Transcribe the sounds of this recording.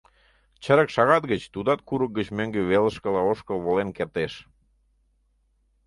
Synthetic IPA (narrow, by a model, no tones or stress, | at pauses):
t͡ɕəɾə̆kʃɑɣɑt̪̚ɡət͡ɕt̪ud̪ɑt̪kuɾək̚ɡət͡ɕmøŋɡeβeləʃkə̆lɑoʃkəlβolenkert̪eʃ